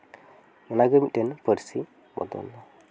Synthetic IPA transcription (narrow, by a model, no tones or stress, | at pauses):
mənaɡəmit̪̚ˀdɛnpəɾsi | bɔ̰d̪ɔ̰nːɔ